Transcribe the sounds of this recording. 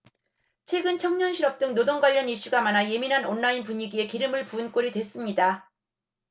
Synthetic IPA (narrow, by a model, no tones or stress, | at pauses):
t͡ɕʰwe̞ɡɯnt͡ɕʰʌŋɲʌnɕʰiɾʌp̚t͈ɯŋnodoŋɡwaʎːʌniɕ͈uɡamanaje̞minɦanonːainpuɲiɡie̞kiɾɯmɯɭpuɯnk͈oɾidwe̞s͈ɯmɲida